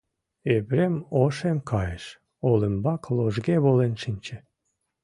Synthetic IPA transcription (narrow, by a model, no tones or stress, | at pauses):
eβɾemoʃemkʰɑjeʃ | oləmbɑkloʒɣeβolenʃinʲt͡ɕĕ